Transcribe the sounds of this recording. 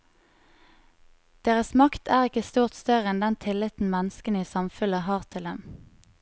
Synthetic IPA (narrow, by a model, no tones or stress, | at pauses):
d̪̥eːʁəsmɑkt̪ʰæːʁɪkəst̪uːʁt̪st̪œʁəɛnd̪ɛnt̪ʰɪlɪt̪n̩mɛnəskəniːsɑmfʉləhɑːʁt̪ʰɪld̪ɛm